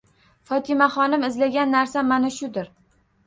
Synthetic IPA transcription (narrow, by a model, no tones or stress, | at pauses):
fɒt̪ʰɪmaχɒnɪmɪzlaɡʲanːaɾsamːanaʃʊd̪ɪɾ